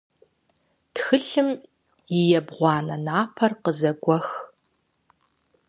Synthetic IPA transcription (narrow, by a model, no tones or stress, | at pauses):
txɨɬɨm | jɪjɛbʁʷɑːnɐnaːpʰɐrqəzɐɡʷɔx